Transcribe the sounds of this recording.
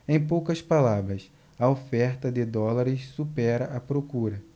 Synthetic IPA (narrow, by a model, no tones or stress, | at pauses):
ẽj̃powkɐspalabɾɐs | ɐofɛɾt̪ɐd̪ɪd̪ɔlaɾɪssupɛɾɐʔɐpɾokuɾɐ